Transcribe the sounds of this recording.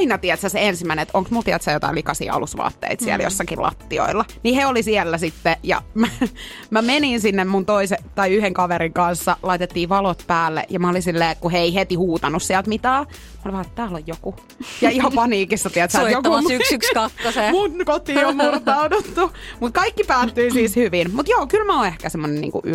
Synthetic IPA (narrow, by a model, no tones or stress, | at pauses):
inɑt̪iɛt̪sæseensimːˑæineet̪ʔoŋksmult̪iæt̪sæjot̪ɑ̰ilikɑsḭːɑ̰lusʋɑ̰ːt̪ːḛit̪siæ̰ljo̰sːɑkilɑ̰t̪ːio̰ilːɑniheolisiɛlːæsit̪ːejɑ̰mæ | mæmeninsinːemmunt̪oiset̪ɑiyheŋkɑʋeɾiŋkɑnsːɑlɑit̪et̪ːiːʋɑlot̪pæːlːḛʔjɑmæolinsilːeːkkuheeihet̪ihuːt̪ɑnussiælt̪mit̪æː | mɑoliʋɑːet̪t̪æːlojjoku | jɑihɑpɑniːkisːɑt̪iɛæt̪sæjokukskɑk̪ːosemunkot̪iːommurt̪ɑudot̪ːu | mut̪̚kɑikːipæːt̪ːyisiːshyʋinmut̪joːkylmæõːehkæsemːonenḭːŋkṵʔy